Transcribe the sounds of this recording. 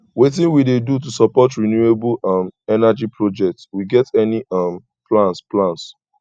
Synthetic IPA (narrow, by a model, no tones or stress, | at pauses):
wet̬ɪ̃nwidedut̬usɔpɔtɹinjueblamɛnad͡ʒipʰɹod͡ʒɛk̚tswiɡɛtɛniãm | plãnsplãns